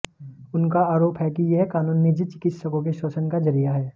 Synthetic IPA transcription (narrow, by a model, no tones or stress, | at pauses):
ʊnkaaːɾoːpɦɛkijeɦkaːnuːnːid͡ʒɪt͡ʃɪ̥kɪt̪səkõk̬eʃɔːsənkazɐɾijaɦɛː